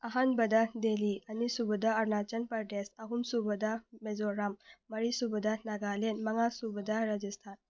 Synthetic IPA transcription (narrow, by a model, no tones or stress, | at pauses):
ɐɦanbɐd̪ad̪elianisubəd̪aɐɾnat͡ʃənpəɾɖesaɦumsubəd̪amezoɾamːɐɾisubəd̪anaɡalenmɐŋasubəd̪aɾad͡ʒist̪ʰan